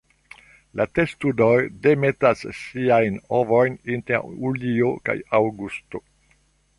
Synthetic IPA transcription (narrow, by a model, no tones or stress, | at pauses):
latestudojdemetasːiajnovo̞jnintḛɾulioka̰jawɡusto̰